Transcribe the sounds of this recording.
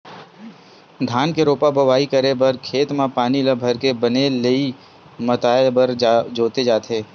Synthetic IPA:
d̪ʱaːnkeɾoːpabɐʋaːikɐɾebɐɾkʰeːt̪mãpaːniləbʱɐɾkebɐnelei | mɐt̪aːebɐɾd͡ʒoːt̪ed͡ʒaːt̪eː

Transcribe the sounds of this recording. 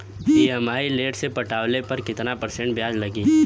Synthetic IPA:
piɛmaːileːʈsepɐʈaːwlepɐɾkɪt̪napɐɾsẽɳʈ̚bjaːd͡ʒlɐɡiː

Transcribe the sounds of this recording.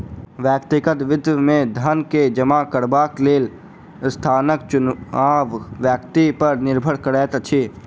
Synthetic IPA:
ʋjəːkt̪ɪkət̪ʋɪd̪ʋəmẽd̪ʱənked͡ʒəmakəɾbaːkleːl | st̪ʰaːnək̚t͡ʃʊnaːʋʋjəkt̪ipɐɾnɪɾbʱəɽkəɽɛːt̪t͡ʃʰeː

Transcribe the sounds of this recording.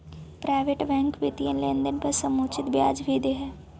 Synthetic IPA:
pɾaːɪʋeʈbɛ̃ːŋkbɪt̪iənleːnd̪ənpɐɾsɐmoːt͡ʃɪt̪bja̰ːd͡ʒbʱid̪eɦɛː

